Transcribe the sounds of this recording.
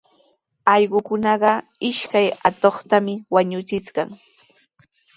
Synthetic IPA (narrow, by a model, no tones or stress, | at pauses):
ɑʎɢʊkʊnɑɢɑ | ɪʃkajat̪oχt̪amɪwaɲʊt͡ʃɪt͡sɢɑŋ